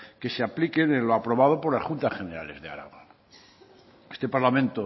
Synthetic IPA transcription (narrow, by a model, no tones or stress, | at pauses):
ke̞seaplikenenloapɾo̞βað̞opo̞ɾlasχunt̪asχe̞ne̞ɾa̰le̞̰zðe̞a̰ɾa̰ɣon | est̪epaɾlamẽnt̪o